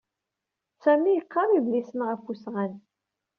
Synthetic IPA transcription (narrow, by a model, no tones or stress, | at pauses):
sæmijəqːɑɾˤivlisənʁəfusʁæn